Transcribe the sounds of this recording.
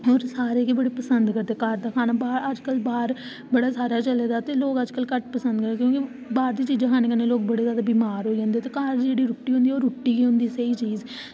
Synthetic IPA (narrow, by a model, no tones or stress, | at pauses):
ɦɔːɾsaːɾeːkibəɽeːpəsənd̪kəɾd̪eːkaːɾd̪aːkʰaːnaːbaːɾəd͡ʒkəlbaːɾ | bəɽaːsaːɾaːt͡ʃəleːd̪aːt̪eːloːkəd͡ʒkəlkəʈpəsə̃nd̪̚kəɾd̪eːkjõːki | baːɾd̪iːt͡ʃiːd͡ʒãkʰaːneːkəneːloːk̚bəɽeːzjaːd̪aːbiːmaːɾɦoːid͡ʒãːnd̪ieːt̪eːkaːɾd͡ʒeːɽiːɾʊːʈːiːʊ̃nd̪iːoːɾuʈːiːɡiːɦʊ̃nd̪iːsəiːt͡ʃiːz